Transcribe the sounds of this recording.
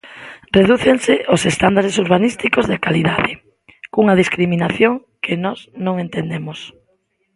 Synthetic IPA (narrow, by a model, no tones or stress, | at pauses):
reðuθeŋsɪʔosest̪and̪aɾesuɾβanist̪ikozðekaliðaðɪ | kuŋɐð̞iskɾiminaθjoŋ | kɪnɔznõŋent̪end̪emos